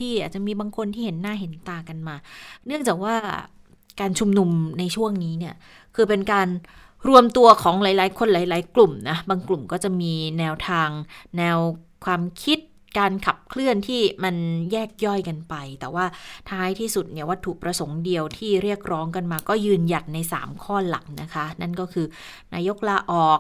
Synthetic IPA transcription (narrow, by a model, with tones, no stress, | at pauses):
iː˥˩ʔaː˨˩t̪̚t͡ɕa˨˩miː˧baː˧ŋkʰo˧nt̪ʰiː˥˩he˨˩˦nːaː˥˩ɦe˩˦nt̪aː˨˩ka˧nmaː˧nɯ˥˩əŋt͡ɕaː˨˩k̚waː˥˩ | kaː˧nt͡ɕʰu˧mnu˧mna˧jt͡ɕʰu˥˩əŋniː˦˥ni˥˩ɐ | kʰɯː˧pe˧nkaː˧nɾu˧əmt̪u˧ɐkʰɔː˩˦ŋlaː˨˩˦jlaː˨˩˦jkʰo˧nlaː˩˦jlaː˨˩˦jklu˨˩mna˦˥baː˧ŋklu˨˩mkɔː˥˩t͡ɕa˨˩miː˧nɛː˧wt̪ʰaː˧ŋnɛː˧wkʰwaː˧mkʰi˦˥t̪̚ | kaː˧nkʰa˨˩p̚kʰlɯ˥˩ənt̪ʰiː˥˩ma˧njɛː˥˩k̚jɔ˥˩jka˧npa˧jt̪ɛː˨˩waː˥˩t̪ʰaː˦˥jt̪ʰiː˥˩su˨˩t̪̚ni˥˩wa˦˥t̪ʰːu˨˩pɾa˧so˩˦ŋdi˧əwt̪ʰiː˥˩ɾi˥˩ək̚ɾɔː˦˥ŋka˧nmaː˧kɔː˥˩jɯː˧nja˨˩t̪̚na˧jsa̰ː˩˦mkʰɔː˥˩la̰˨˩˦ŋna˦˥kʰa˦˥na˥˩nkɔː˥˩kʰɯː˧ | naː˧jo˦˥k̚laː˧ʔɔː˨˩k̚